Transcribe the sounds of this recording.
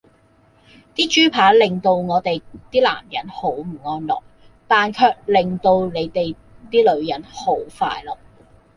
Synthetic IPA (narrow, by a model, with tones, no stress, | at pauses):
t̪iː˥t͡ʃyː˥pʰaː˨˥lɪ˨ŋt̪o˧wŋɔː˨˧t̪e˨jt̪iː˥la̰ː˨˩mjɐ˨˥nho˨˥wm̩˨˩ŋɔː˧nlɔ̰ː˨k̚ | t̪aː˨nkʰœː˧k̚lɪ˨ŋt̪o˧wle˨˧jt̪e˨j | t̪iː˥lɵ˨˧ɥjɐ˨˥nho˨˥wfa̰ː˧jlɔː˨˩k̚